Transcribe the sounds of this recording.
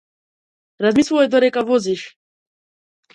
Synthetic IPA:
ɾazmisuɔjd̪ɔɾɛkavɔziʃ

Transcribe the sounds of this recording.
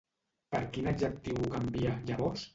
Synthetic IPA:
pəɾkinaɡʒək̚t̪iwkambiaʎaβɔɾs

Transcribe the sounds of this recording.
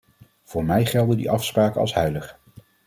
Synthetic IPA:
v̥ʊːɹmɛjχɛlˠdəndḭʔɑfspraːkənɑ̰sɦœɥləχ

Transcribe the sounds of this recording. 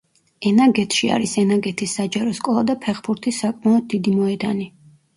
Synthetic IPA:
ɛnaɡɛt̪ʰʃia̰ɾisɛnaɡɛt̪ʰisːad͡ʒaɾɔskʼɔlˠad̪apʰɛχbuɾt̪ʰisakʼmaɔd̪̚ːid̪imɔɛd̪ani

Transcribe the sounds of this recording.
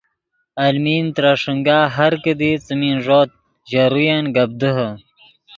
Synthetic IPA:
ɐlmiːnt̪ɾaʂəŋɡaːɦɐɾkəd̪it͡səminʐoːt̪̚ | ʑaɾujanɡɐb̚d̪əɦə

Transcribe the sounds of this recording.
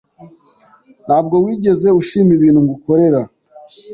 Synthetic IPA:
nhaːb̚ɡo̞wiːɟe̞ze̞uʃiːmiβiːn̤huŋɡuko̞ɾe̞ɾa

